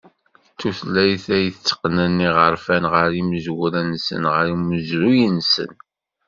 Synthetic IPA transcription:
t͡sːuθlːæjθæjθət͡sːə̥qnənːiʁəɾfænʁəɾimzwɾænsə̰nʁəɾiməzɾujənsə̰n

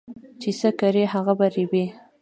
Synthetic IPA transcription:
t͡ʃesəkaɾeɦaɣabaɾibe

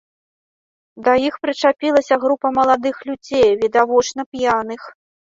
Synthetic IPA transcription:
d̪ɐjixpɾɨt͡ʂapʲilˠɐsʲɐɣɾupɐmɐlˠad̪ɨxlʲud͡zʲejvʲid̪avɔt͡ʂnɐpjanɨx

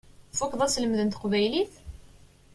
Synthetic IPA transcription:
fukðˤæsləmðənt̪əqvæjliθ

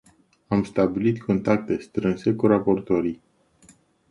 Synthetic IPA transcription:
amst̪abilit̪kʰo̞nt̪ak̚t̪e̞st̪ɾɨnse̞kuɾapo̞rt̪o̞ɾij

